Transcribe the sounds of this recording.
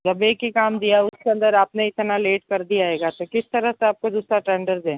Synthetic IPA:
d͡ʒɐbeːkɦikaːmd̪ijaʊskeɐ̃nd̪əɾaːpneɪt̪naleːʈkɐɾd̪ijaɦeːɡat̪okɪst̪ɐɾəɦseaːp̚kod̪uːsɾaʈɛ̃ːɳɖəɾd͡ʒɛ̃ː

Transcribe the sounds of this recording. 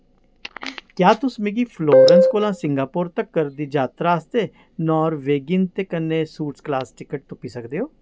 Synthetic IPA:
kjaːt̪ʊsmeɡiːpʰloːɾənskoːlãːsɪŋɡaːpʊɾt̪əkːəɾd̪iːd͡ʒaːt̪ɾaːst̪eː | nɔːɾʋeːɡɪnt̪eːkənːeːsuːʈsklaːsʈɪkəʈ̚t̪ʊpiːsəkd̪eːɦoː

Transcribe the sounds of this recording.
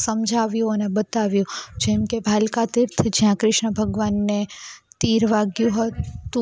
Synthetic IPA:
səmd͡ʒʱaʋjũənebət̪aʋjũd͡ʒɛmkebʱalkat̪iɾt̪ʰd͡ʒjãkɾɪʃɳəbʱəɡʋanːet̪iɾʋaɡjũɦət̪ũ

